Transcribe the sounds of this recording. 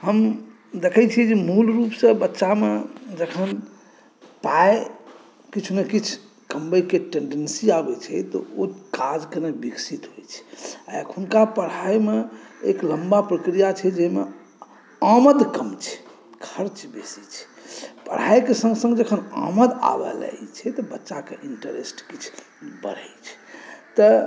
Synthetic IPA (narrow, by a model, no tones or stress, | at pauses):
ɦəm | d̪ekʰət͡ʃʰid͡ʒemulɾupsə̃bətːʃamed͡ʒəkʰən | pae | kit͡ʃʰmekit͡ʃʰ | kəmbəjkeʈẽɳɖensiabɛt͡ʃʰɛ̰t̪ɔ̰okad͡ʒkenebiksit̪ɦojt͡ʃʰɛ̥akʰunkapəɽɦajmeekləmbapɾəkɾijat͡ʃʰɛd͡ʒɛɦmḛ | aməd̪kəmt͡ʃʰɛ̥ | kʰəɾt͡ʃbesit͡ʃʰɛ̥pə̰ɽ̤ɦajkesə̃ŋɡsə̃ŋɡd͡ʒəkʰəna̰məd̪a̰bə̰la̰t͡ʃʰɛt̪ɔbətːʃakḛʔiɳʈəɾḛsʈkit͡ʃʰ | bə̰ɽ̤ə̰jt͡ʃʰɛ̥t̪ɔ